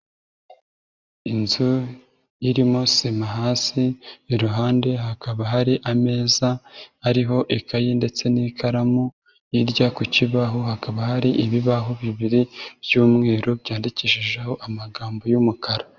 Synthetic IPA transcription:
inzu | jiɾimosimaɦaːsiːɾuɦaːnde̞ɦakaβaɦaɾiʔame̞ːzaːɾiɦo̞ʔikajinde̞t͡se̞nikʰaɾamu | jiɾɟakuciβaɦohakaβahaɾiʔiβiβaɦoβiβiɾibjuːmŋe̞ːɾobɟaːndiciʃiʒeho̞ʔamaɡaːmbo̞jumukʰaɾa

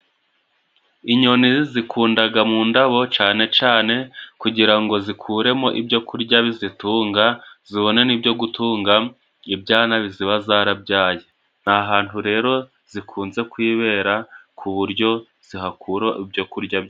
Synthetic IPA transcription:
iɲo̞nizikʰuːndaɡamuːndaβo̞t͡ʃaːne̞t͡ʃaːne̞kuɟiɾaŋɡo̞zikʰuːɾe̞mo̞ʔibɟo̞kuɾɟaβizituːŋɡaz̥iβo̞ne̞niːbɟo̞ɡutuːŋɡa | ibɟaːnaβiziβazaːɾabɟaːje | n̥aɦaːnthuɾe̞ːɾo̞ | z̥ikʰuːnze̞kwiːβe̞ːɾakʰuβuɾɟo̞ | z̥iɦakʰuɾo̞ʔibɟo̞kuɾɟa

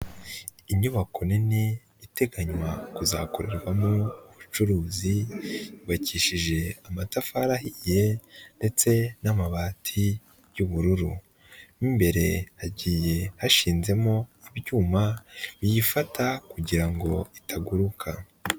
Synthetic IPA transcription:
iɲuβako̞nini | iteɡaɲwakuza̰ːko̞ɾe̞ɾɡwamuuβut͡ʃuɾuːziiβaciːʃiʒe̞amatafaɾahije̞nde̞t͡se̞namaβaːtʰi | juβuɾuɾu | nimbe̞ɾe̞haɟiːje̞haʃiːnze̞mo̞aβɟuːmaβijifatakuɟiɾaŋɡo̞itʰaɡuɾukʰa

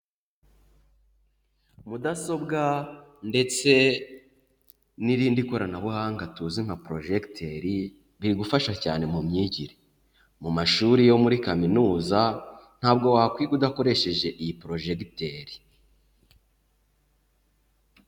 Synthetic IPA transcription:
mudaso̞bɡande̞t͡se̞ | niɾiːndiko̞ɾanaβuhaːŋɡatuːzim̥hapɾo̞ʒektʰe̞ɾi | βiɾiɡufaʃaca̰ːne̞mumɲiːɟiɾe | mumaʃuɾijo̞muɾikaminuːzan̥haːbɡo̞waːkwiːɡudako̞ɾe̞ʃe̞ʒe̞ʔijipɾo̞ʒe̞kteɾi

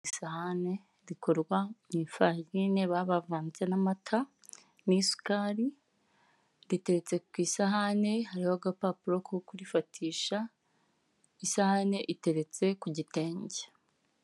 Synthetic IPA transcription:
isahane̞ | ɾiko̞ɾɡwaniːɱfajiːne̞βaβavaːnt͡se̞namatʰa | nisu̥kaːɾi | ɾite̞ɾet͡se̞kwiːsaɦane̞haɾihoɡapapuɾo̞kokuɾifatʰiːʃa | isahane̞ʔite̞ɾe̞t͡se̞kuɟite̞ːɲɟe

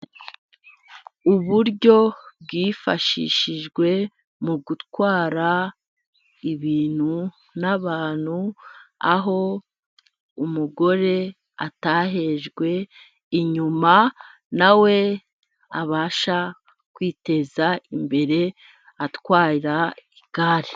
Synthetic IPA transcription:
uβuɾɟo̞bɡiːfaʃḭʃiʒɡwe̞ | muɡutkwaːɾa | iβiːn̥hu | naβaːn̥hua̰ɦo̞ | umuɡo̞ɾe̞ | a̰taɦe̞ʒɡwe̞ | iɲuma | nawe̞ | aβaːʃa | kwiːte̞zaimbe̞ɾe̞ | atkwaːɾiɾaiɡaɾe

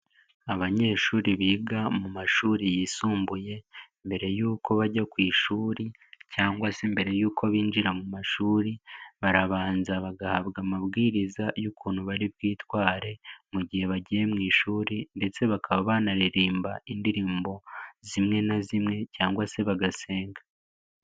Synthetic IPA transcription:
aβaɲe̞ːʃuːɾiβiːɡamumaʃuːɾijisuːmbuje̞ | mbe̞ɾe̞juːko̞βaɟakwiːʃuːɾi | caːŋɡwase̞mbe̞ɾe̞juːkʰo̞βiːnd͡ʒiɾamumaʃuːɾiβaɾaβaːnzaβaɡahaβɡamaβɡiːɾizajukuːn̤̥huβaɾiβɡiːtwaːɾe̞muɟihe̞βaɟije̞mŋiːʃuːɾinde̞t͡se̞βakaβaβaːnaɾiɾiːmbaindiɾiːmbo̞zimŋe̞nazimŋe̞caːŋɡwase̞βaɡase̞ːŋɡa

